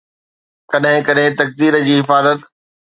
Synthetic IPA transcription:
kɐɗɦɪ̃kɐɗɦɪ̃t̪ɐk̚d̪iːɾəd͡ʑiːɪfaːzət̪

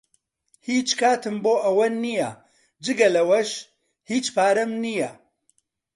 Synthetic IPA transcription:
hiːt͡ʃkʰaːt̪ɨmboːʔɐwɐnijɐ̰ | d͡ʒɨɡɐlɐwɐʃ | hiːt͡ʃpaːɾɐmnijɐ

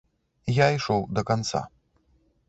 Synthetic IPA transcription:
jaiʂɔwd̪ɐkant̪sa̰

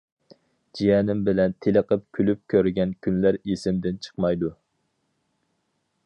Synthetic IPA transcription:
d͡ʒijɛnɪmbɪlɛnt̪ʰeləqʰəp̚kʲʰylyp̚kʲʰøɾɡʲɛnkʲʰynlæɾisɪmd̪ɪnt͡ʃʰə̥qmɑjd̪u

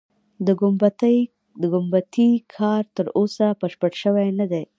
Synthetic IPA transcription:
d̪əɡʊmbt̪ | d̪əɡʊmbat̪ikʰɑɾt̪əɾosapəʃpəɽʃəwajnad̪e

